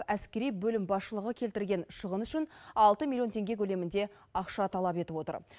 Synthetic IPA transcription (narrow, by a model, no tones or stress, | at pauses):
æskʲe̞ɾijbɵlɪmbɑsʃəlˠəʁəkʲʰe̞lt̪ɪɾlɡʲe̞nʃəʁənʏʃɪnɑlˠt̪əmʲilʲˠjo̞nt̪ʰe̞ŋɡʲe̞kʲʰɵle̞mɪnd̪e̞ | ɑqʃɑt̪ʰɑlˠɑpe̞t̪ɪpwot̪ə̰ɾ